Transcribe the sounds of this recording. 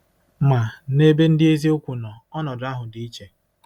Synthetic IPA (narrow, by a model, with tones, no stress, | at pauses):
ma˨ne˦be˦n̩˦dɪ˦e˦zi˦o˦kʷu˨nɔ˨ɔ˦nɔ˨da˦ɦʊ˨dɪ˦i˦t͡ʃe˨